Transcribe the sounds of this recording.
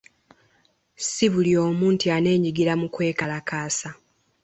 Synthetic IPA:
siβulioːmuːntiane̞ːɲiɡiɾamukwe̞ːkalakaːsa

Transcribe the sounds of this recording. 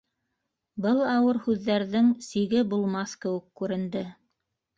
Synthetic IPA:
bɤlˠɑwɤɾhʉðːæɾðɘŋsiɡɘbulˠmɑθkɘ̆wɘ̆kːʉɾɘ̆nd̪ɘ

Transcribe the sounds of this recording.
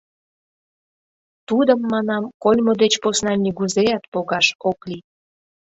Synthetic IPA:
t̪ud̪əmːɑnɑmkolʲmod̪et͡ɕposnɑnʲiɣuzejɑt̪poɣɑʃokli

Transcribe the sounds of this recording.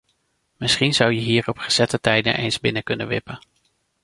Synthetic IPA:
mɪsχinzʌwjəɦiːɹɔpχəz̥ɛtətɛjdə̰nʔḛjnzbɪnəkɵnə̰nʋɪpən

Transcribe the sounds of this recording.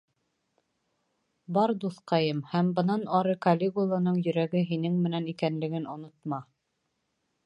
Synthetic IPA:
bɑɾd̪uθqɑjɤmhæmbɤ̆nɑnɑɾɤkɐlʲːeɡulˠɑnɤɴjɵ̆ɾæɡɘɦinɘŋmɘ̆nænikænlɘ̆ɡɘnŏnŏt̪̚mɑ

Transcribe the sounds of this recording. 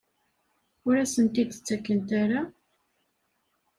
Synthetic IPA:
ʊɾæsənt̪id̪t͡sːækːənt̪aɾa

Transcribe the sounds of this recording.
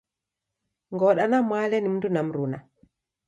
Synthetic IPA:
ŋɡɔɗanamaːlɛnimndunamɾuna

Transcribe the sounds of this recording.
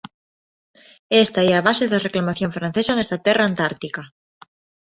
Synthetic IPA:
est̪aeaβ̞aseðareklamaθjoɱfɾãn̟θesanest̪at̪eraːnt̪aɾt̪ika

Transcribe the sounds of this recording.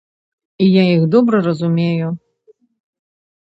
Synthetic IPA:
ijaixd̪ɔbɾɐrɐzumʲeju

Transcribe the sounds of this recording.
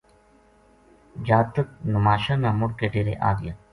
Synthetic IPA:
d͡ʒaːt̪ək̚nʊmaːʃaːnaːmʊɽkeʈeːɾḛʔa̰ːɡɪja

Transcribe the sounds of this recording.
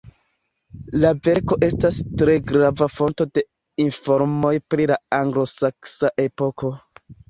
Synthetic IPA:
lave̞ɾko̞ʔe̞stastɾe̞ɡɾavafo̞nto̞de̞ | info̞ɾmo̞jpɾilaaŋɡlo̞saksaʔe̞po̞ko̞

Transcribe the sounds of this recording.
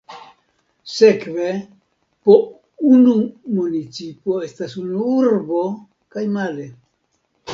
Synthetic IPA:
se̞kve̞ | po | unumunit͡sipo̞e̞stasunuuɾbo̞ | kajmale̞

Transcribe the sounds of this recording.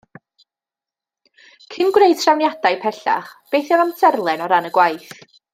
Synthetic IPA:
kʰɪnɡwrejd̥tʰrawnjad̥ajpʰɛɬa̰χb̥ejθjavamt͡sʰɛrlˠɛnɔɾanəɡwajθ

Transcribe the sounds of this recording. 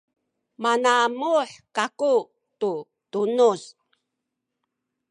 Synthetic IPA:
manamuħkaku | tu | tunus

